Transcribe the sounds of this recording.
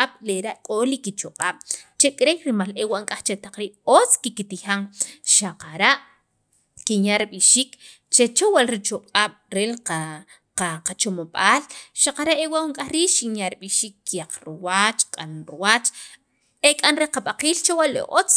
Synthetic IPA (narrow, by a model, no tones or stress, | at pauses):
aɓ̥leɾaʔkʼolikit͡ʃoqʼaːɓ̥t͡ʃekʼɾejɾimalewaʔŋkʼaχt͡ʃet̪aq͡χɾiːʔot͡skikit̪ixaŋʃaqaɾaʔ | kinjaɾiɓiʃiːk | t͡ʃet͡ʃowalɾit͡ʃoqʼaːɓ̥ɾela | aqat͡ʃomoɓaːlʃaqaɾaʔewaʔwoŋkʼaχɾiːʔʃinjaɾiɓiʃiːkːijaq͡χɾiwat͡ʃkʼa̰nɾuwat͡ʃ | ekʼanɾeqaɓaqiːlt͡ʃowalḛʔo̰t͡s